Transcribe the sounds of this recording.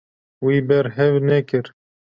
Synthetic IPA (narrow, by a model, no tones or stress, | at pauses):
wiːbɛɾɦɛvnɛkɨɾ